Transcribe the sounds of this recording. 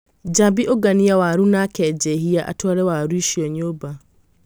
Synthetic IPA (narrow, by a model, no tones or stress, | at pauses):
d͡ʒabiʔoɡaniawaɾunakɛd͡ʒɛɦiaʔa̰twaɾɛwaɾuiʃiɔɲoba